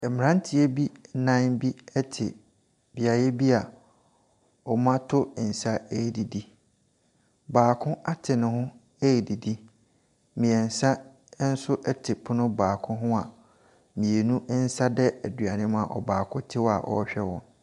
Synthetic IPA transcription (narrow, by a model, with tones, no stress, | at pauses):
ɛ˨mɪ̃˨ɾã˦n˦tʰɪ˨e˦bi˦nã˦nbi˦ɛ˦tʰɪ˨ | bi˨a˨jɛ˦bi˦a˨ | ɔ˨mã˦tʰʊ˦˨n̩˨sa˦æ˦˨di˨di˦ | baː˨kʰʊ̃˦a˦tʰɪ˨nʊ̃˨hʊ̃˦ | æ˦˨di˨di˦ | mĩ˨ɛ˨n̩˨sa˦ | n̩˦sʊ˦ʔɛ˦tʰɪ˨pʰʊ˦nʊ̃˦baː˨kʰʊ̃˦ɦʊ̃˦a˨ | mĩ˨e˨nũ˦n̩˦sa˦dɛ˦æ˨dɥa˨nɪ̃˦m˦a̰˨ʔɔ̰˨baː˨kʰʊ̃˦tʰɪ˦wɔ˦a̰˨ʔɔ̰˨˦ɕᶣɛ˦wɔ̰̃˦n